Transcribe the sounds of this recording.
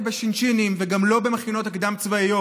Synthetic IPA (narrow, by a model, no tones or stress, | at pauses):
beʃinʃinimveɡamlo̞be̞meχino̞t̪akd̪amt͡svaijo